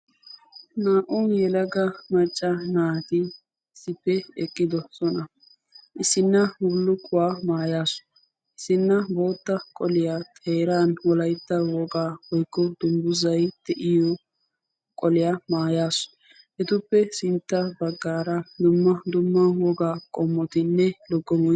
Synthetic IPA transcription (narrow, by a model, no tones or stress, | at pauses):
naːʔʊnjɛlɐɡɐmɐt͡ʃʼːɐnaːt̪ɪ | sɪpːɛɛkʼːɪd̪ɔsɔnɐ | ʔɪsɪnːɐʊlːʊkʼːʊwaːmaːjaːsʊ̥ | ɪsɪnːɐbo̞ːt̪ːɐkʼɔlɪjat̪ʰeːɾaːnwɔlɐjt̪ːɐwɔɡaːhɔjkːɔd̪ʊmbʊzɐjd̪̥ɛʔɪjɔ | kʼɔlɪjamaːjaːsʊ̥ | hɛt̪ʊpːɛsɪnt̪ːɐbɐɡːaːɾɐd̪ʊmːɐd̪ʊmːɐwɔɡaːkʼɔmːɔt̪ɪnːɛlɔɡːɔmɔj